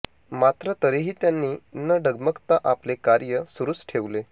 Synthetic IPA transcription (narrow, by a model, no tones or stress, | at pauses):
mat̪ɾət̪əɾiɦiːt̪janːiːnəɖəɡməkt̪aʔaplekaɾjəsuɾuːsʈʰeʋle